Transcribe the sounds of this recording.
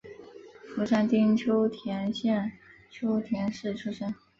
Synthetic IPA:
fu˧˥ʂa˥˩nt̪i˥ŋt͡ɕʰjo˥ʊt̪ʰjɛ˧˥nɕjɛ˥˧nt͡ɕʰjo˥ʊt̪ʰjɛ˧˥nʂɻ̩˥˩t͡ɕʰu˥ʂə˥n

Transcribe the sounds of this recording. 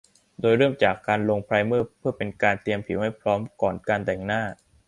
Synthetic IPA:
doː˧jɾɤː˥˩mt͡ɕaː˨˩kːaː˧nlo˧ŋpʰɾaː˧jmɯː˥˩pʰɯ˥˩pe˧nkaː˧nt̪i˧əmpʰi˨˩˦wma˥˩jpʰɾɔː˦˥mkɔː˨˩nkaː˧nt̪ɛ˨˩ŋnaː˥˩

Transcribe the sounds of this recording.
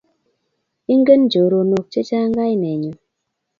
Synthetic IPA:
i˦ŋ˦ɡe˦n˦d͡ʒo˨ɾo˨no˨k̚t͡ʃe˦t͡ʃa˦ŋ˦ɡa˦jnɛ˨ɲu˨m

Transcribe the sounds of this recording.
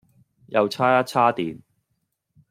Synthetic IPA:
jɐ˨˧wt͡sʰaː˥ja˥t͡sʰaː˥t̪iː˨n

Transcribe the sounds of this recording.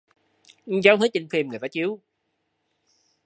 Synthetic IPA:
zaː˨˦˥wt̪ʰɨː˨˦˥t͡ɕi˧ŋfi˧mŋɨ˨˩ət̪aː˧t͡ɕi˨˦əw

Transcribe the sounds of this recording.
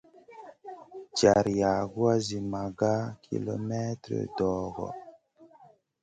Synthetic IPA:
d͡ʒa˨ɾja˨ɡu˦a˦zi˨ma˨ɡa˦kʰḭ˨lo˨me˦tɾḛ˨dɔː˨ɡɔ̰˨

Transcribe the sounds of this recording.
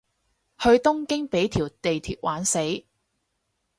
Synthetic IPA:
hɵ˧ɥt̪ʊ˥ŋkɪ˥ŋpe˨˥jt̪ʰiː˨˩wt̪e˨jt̪ʰiː˧t̚waː˨˥nse˨˥j

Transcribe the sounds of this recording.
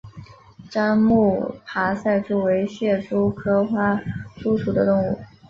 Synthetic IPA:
ʈ͡ʂa˥nmu˥˩pʰa˧˥sa˥˧ɪʈ͡ʂu˥˩we˧˥ɪɕjɛ˥˩ʂu˥kʰɤ˥xwa˥ʈ͡ʂu˥ʂu˨˩d̪ə˦t̪ʊ˥˧ŋu˥˩

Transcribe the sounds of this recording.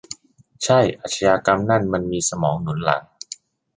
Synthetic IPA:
t͡ɕʰa˥˩jʔa˨˩t̪̚ʰa˧jaː˧ka˧mna˥˩nma˧nmiː˧sa˧mɔː˩˦ŋnu˩˦nla̰˩˦ŋ

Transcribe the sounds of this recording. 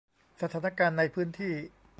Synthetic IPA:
sa˧t̪ʰaː˩˦˥na˧kaː˧nːa˧jpʰɯː˦˥nt̪ʰiː˥˩

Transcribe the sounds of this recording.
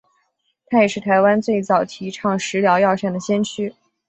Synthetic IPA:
t̪ʰa˥jɛ˨˩ʂɻ̩˥˩t̪ʰa˧˥ɪwa˥nt͡swe˥˩ɪt͡sɑ˨˩ʊt̪ʰi˧˥ʈ͡ʂʰɑ˥˩ŋʂɻ̩˧˥ljɑ˧˥ʊjɑ˥˧ʊɕɛ˥˩nd̪ə˩ɕjɛ˥nt͡ɕʰy˥

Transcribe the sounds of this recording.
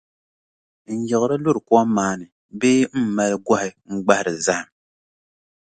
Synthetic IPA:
n̩˦jɛ˨ɣʊ˦ɾɨ˦lʊ˦ɾɨ˨kwɔ˦maː˦nɨ˨ | beː˦ma˦lɨ˦ɡɔ˦hɪ˨ŋ͡m̩˦ɡ͡ba˦hɪ˨ɾɨ˨za˦ha˨m

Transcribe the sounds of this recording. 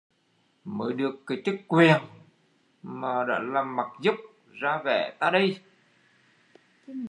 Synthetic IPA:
məː˨˦jɗɨ˨˩əkːa˨˦jt͡ɕɨ˦˥k̚kwi˨˩ən | maː˨˩ɗa̰ː˧˥laː˨˩mːa˨˩k̚zʊ˦˥k͡p̚ | zaː˧vɛ̰˧˩t̪a̰ː˧˩ɗə˧j

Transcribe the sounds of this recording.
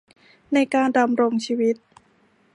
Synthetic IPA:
na˧jkaː˧nda˧mɾo˧ŋt͡ɕʰiː˧wi˦˥t̪̚

